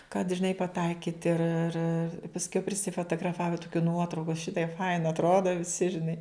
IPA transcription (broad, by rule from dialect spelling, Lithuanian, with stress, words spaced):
kɐt ʒʲɪˈnɐɪ pɐˈtɐɪkʲiːt ɪr ɪr pɐsʲˈkʲɛʊ pʲrʲɪsʲɪfoːtoːɡrɐˈfɑːʋɐ tʊˈkʲuː ˈnuɔtrɐʊkʊ ˈʃʲɪtɐɪp ˈfɐɪnɐ ɐtˈroːdɐ ʋʲɪˈsʲɪ ʒʲɪˈnɐɪ